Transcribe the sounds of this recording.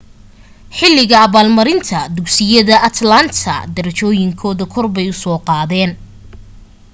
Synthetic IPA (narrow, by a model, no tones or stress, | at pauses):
ħɪlːɪɣɐːβaːlmɐɾɪnt̪ʰɐd̪ʊksɪjɐðɐʔɐt̪ʰlɐnt̪ʰɐ̰d̪ɐɾɐt͡ʃɔːjɪŋkʰɔːðɐkʰɔrbɛjʊsɔːqɑːðɛːn